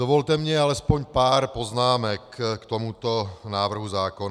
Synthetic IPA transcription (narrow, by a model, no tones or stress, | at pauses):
ovolt̪ɛmɲɛalɛspoɲpaːɾpoznaːmɛkkːt̪omut̪onaːvr̩ɦuzaːkon